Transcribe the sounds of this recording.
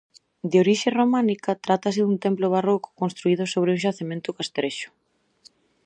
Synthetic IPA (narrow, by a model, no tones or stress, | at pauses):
d̪eoɾiʃeromãnikɐt̪ɾat̪asɪðunt̪emploβaroko̥konst̪ɾuiðʊsoβ̞ɾɪũʃaθemẽnt̪ʊkast̪ɾeʃʊ̥